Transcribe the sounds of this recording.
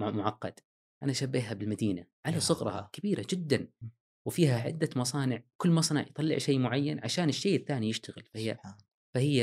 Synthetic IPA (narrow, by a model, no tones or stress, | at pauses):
mʊʕɑqːɑd̪̥ | ʔanaʔʃabːeːɦabɪlmad̪iːnaʕalasˤʊɣɾˤɑ̰ɑ̰kabiːɾʔad͡ʒɪd̪ːan | wfiːhaʕɪ̰d̪ːamɑsˤɑːnɪʕkʊlːmɑsˤnɑ̰ʕjt̪ˤɑlːɪ̰ʕʃeːmʊʕajːanʕaʃaːnɪʃːeːʔɪθːaːnijɪʃt̪aɣɪ̰lfahɪjː | fahɪjːa